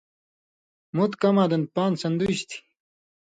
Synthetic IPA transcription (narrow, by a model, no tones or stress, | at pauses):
mut̪kɐmaːd̪ɐnd̪̚paːnsɐnd̪uiɕt̪ʰi̥